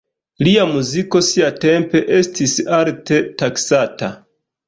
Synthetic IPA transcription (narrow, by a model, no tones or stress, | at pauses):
liamuziko̞siate̞mpe̞ʔe̞stisalte̞taksata